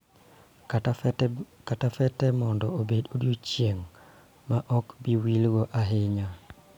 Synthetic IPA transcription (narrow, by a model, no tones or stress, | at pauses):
katafɛtɛmɔndɔobedodjot͡ʃjeŋ | maʔɔkbiwilɡoʔaɦɪɲa